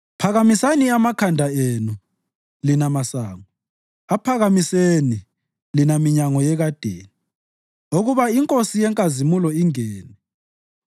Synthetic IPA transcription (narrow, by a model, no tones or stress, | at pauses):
pʰaɣamisaniamakʰandʱaenu | linamasaːŋɔ | apʰaɣamiseni | linamiɲaŋɔjɛɣad̥ʱḛːni | oɣuβaiŋkʼosijɛŋkʼazimulɔiŋɛːnɛ